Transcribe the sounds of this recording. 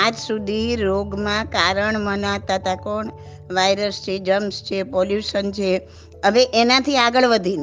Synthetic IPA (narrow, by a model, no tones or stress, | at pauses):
ad͡ʒsud̪ʱiɾoɡmãkaɾəɳmənat̪ət̪akoɳ | ʋajɾəst͡ʃʰed͡ʒəmst͡ʃʰepɔljuʃənt͡ʃʰe | əʋeʔenãt̪ʰiaɡəɭʋəd̪ʱin